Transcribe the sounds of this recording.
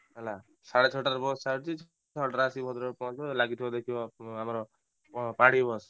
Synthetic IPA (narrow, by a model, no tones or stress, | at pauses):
ɦɛla | saɽet͡ʃʰɔʈaɾbɔssaɾt͡ʃit͡ʃʰ | ɔʈaɾəsibʱɔt̪ɾpɔ̃t͡ʃbɔlaɡit̪ʰibɔd̪ekʰiɔamɔɾɔ | paɽibɔs